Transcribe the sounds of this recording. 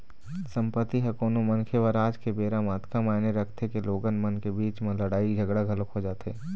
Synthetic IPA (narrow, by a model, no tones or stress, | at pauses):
sə̃mpət̪ːiɦɐkoːnomənkʰeʋəɾaːd͡ʒkebeːɾamaːt̪ʰkamaːneɾəkʰt̪ʰekeloːɡənmənkebiːt͡ʃmẽləɽaːid͡ʒʱɐɡɽaɡʱɐlokɦod͡ʒaːt̪eː